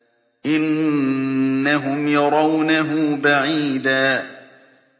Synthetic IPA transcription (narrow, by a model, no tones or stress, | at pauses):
ʔɪnː | aɦʊmjɑɾˤɑwnaɦʊbaʕiːd̪aː